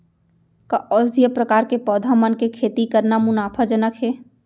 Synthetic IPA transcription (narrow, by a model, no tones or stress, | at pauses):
kaʔɔːsd̪ʱijəpɾəkaːɾkepɔːd̪ʱamənkekʰeːt̪ikəɾnamʊnaːpʰəd͡ʒənəkʰɦeː